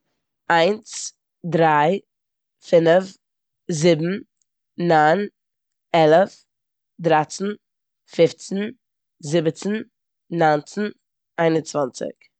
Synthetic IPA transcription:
aɪnt͡s | dɾaɪ | fɪnəf | zɪbm̩ː | aɪn | ɛlˠəf | dɾat͡sn̩ | fɪft͡sn̩ | zɪbət͡sn̩ː | aɪnt͡sn̩ | aɪnʊnt͡svant͡sɪ̰k

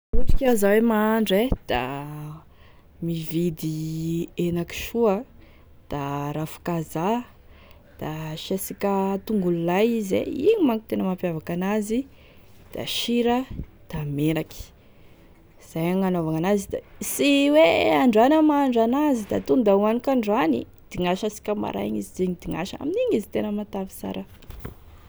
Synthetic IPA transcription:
uʈ͡ʂi̥kʲazawemaaɳɖ͡ʐed̪̥a̰ | mivid̪ienaki̥ʃuə | d̪̥aɾafu̥kaza | d̪̥aʃesikət̪uŋɡululajizḛiɲimaŋki̥t̪enəmampjavakanazi | d̪̥a̰ʃiɾə | d̪̥ameɾaki̥ | z̥ajaŋanovaŋanazid̪a̰siweaɳɖ͡ʐanəmaːɳɖ͡ʐanazid̪at̪und̪auanikʲaɳɖ͡ʐanḭ | d̪̥iŋaʃasi̥kʲəma̰ɾa̰jaɲizizeɲid̪̥iŋa̰ʃəa̰miniɲizi̥t̪enəmat̪avi̥sa̰ɾə

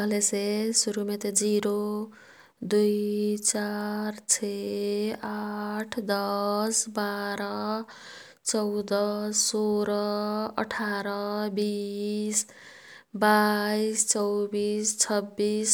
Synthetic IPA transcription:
ʌlesesuɾumet̪ed͡ziɾo | d̪ujt͡sart͡sʰe | aʈʰd̪ʌsbaɾʌ | t͡sʌwd̪ʌsoɾʌʌ̰ʈʰaɾʌbis | baist͡sʌwbist͡sʰʌbːis

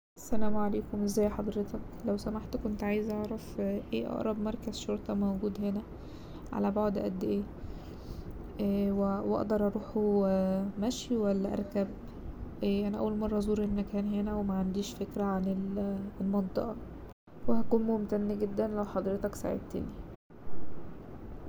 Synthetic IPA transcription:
sːælæːmʕaleːkomʔezːæːjːħɑd̪ˤɾet̪ɑk | læwsæmaħt̪kont̪ʕaːjezʔɑʕɾˤɑfʔeːʔɑ̰ʔɾˤɑbmɑɾˤkæzʃoɾˤt̪ɑmæwɡuːd̪henæ | ʕa̰læboʕd̪ʔæ̰d̪ːeʔeː | wewʔɑ̰ʔd̪ɑɾˤʔɑɾˤuːħu | mæʃiwælːæʔɑ̰ɾˤkæb | ʔeʔænæʔæ̰wːælmɑrˤːɑʔzˤuːɾʔenːækæːnɦenæwemæʕand̪iːʃfekɾæʕanelelmɑnt̪ˤḛʔɑ | wehækuːnmomt̪ænːæɡed̪ːænlæwħɑd̪ˤɾet̪ɑksa̰ʕḛd̪̚t̪ḛːni

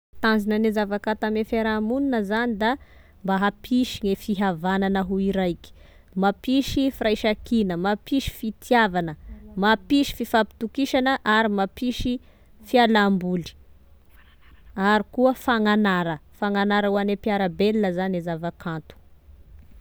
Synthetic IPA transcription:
t̪anzinənezavakãt̪amefeɾamuninəzanid̪a | mbaɦapʰiʃiŋefiɦavananəɦuiɾajki̥ | mapiʃifiɾajʃakinəmapiʃi̥fit̪ʰiavanəmapiʃi̥fifapi̥t̪ukiʃanəʔaɾimapiʃi | fialambuli̥ | aɾikuəfaŋanaɾəfaŋanaɾəuanepiaɾəbelnəzanezavakʰant̪u̥

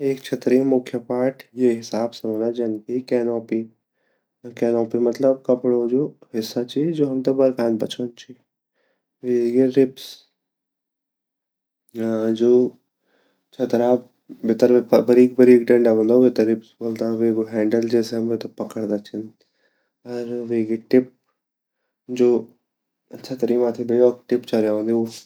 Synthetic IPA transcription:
eːkt͡ʃʰɐt̪ɾimʊkʰjəpaːʈʰjeɦɪsaːbsɐ̃ʋ̃nd̪ad͡ʒɐnkikɛːnɔːpi | kɛːnɔːpimɐt̪ləb̚kɐpɽod͡ʒoːhɪsːat͡ʃʰid͡ʒoːɦɐmt̪ɐbɐɾkʰãːnbɐt͡ʃʰont͡ʃʰi | ʋeɡeɾɪps | d͡ʒoː | t͡ʃʰɐt̪ɐɾaː | bɪt̪əɾpəbəɾiːk̚bəɾikɖɐ̃ɳɖabõːnd̪aʋet̪əɾɪpsboːld̪aʋeːɡoɦɛ̃ːɳɖəld͡ʒɛːseɦɐmʋet̪opɐkəɽd̪at͡ʃʰin | ɐɾʋeːɡeʈɪp̚ | d͡ʒoː | ɐtːt͡ʃʰat̪ɐɾiːmaːt̪ʰibəiɔːkʈɪpt͡ʃɐlɾjaõːnd̪io

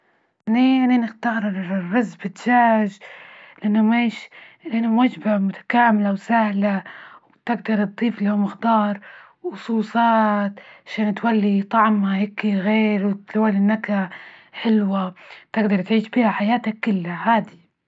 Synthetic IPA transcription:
ʔaniaʕninɪxt̪ɑːɾˤrːɑzbɪt̪ʒaːʒlɪʔanːʊmeːʃnʔanamwad͡ʒbamʊt̪ʰḁkaːmɪlawsahlawt̪ɪɡ̚d̪ɑɾ̚ˤd̪ˤiːflahʊmɪxd̪ɑːɾˤ | ʊsˤuːsˤɑːt̪ʕaʃaːnt̪walːit̪ˤɑʕmaheːkiɣeːɾwt̪walːiʔnːakaħɪlwat̪ɪɡd̪ɑɾˤt̪ʕiːʃbiːhaħajaːt̪akːɪlːahaːd̪i

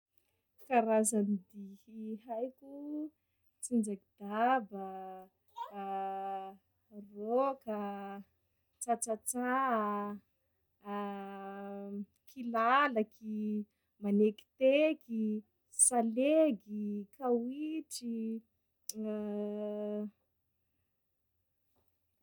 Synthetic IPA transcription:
kaɾazanid̪iiɦajku | t͡sind͡ʒaɡid̪̥aba | roka | t͡sat͡sat͡sa | kʰilalaki | maneki̥t̪eki | saleɡikʰawiʈ͡ʂi

